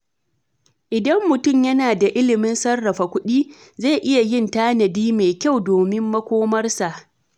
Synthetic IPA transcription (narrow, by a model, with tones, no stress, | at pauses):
ʔɪ˨dɐ˦mːʊ˨tʊ˦˨mjɐ˦naː˨da˨ʔɪ˦lɪ˨mɪ˦nsɐ˦rːɐ˨ɸa˨kʷʊ˦ɗiː˦ | ze˦˨ʔɪ˦ja˨jɪ˦˨ntaː˦nɐ˨diː˦me˨kʲa˦˨wdoː˨mɪ˦mːɐ˦kʷoː˦mɐ˦rsa˨ʔ